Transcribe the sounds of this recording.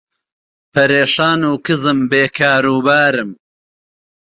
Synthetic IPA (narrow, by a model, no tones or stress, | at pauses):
pɐɾeːʃaːnuːkɨzɨmbeːkʰaːɾuːbaːɾɨm